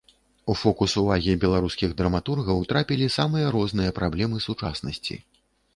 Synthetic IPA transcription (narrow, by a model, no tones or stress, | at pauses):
ufɔkusuvaɣʲibʲɛlˠaɾuskʲiɣd̪ɾɐmat̪urɣɐwt̪ɾapʲilʲisamɨjɐɾɔznɨjɐpɾablʲɛmɨsut͡ʂa̰snɐsʲt͡sʲḭ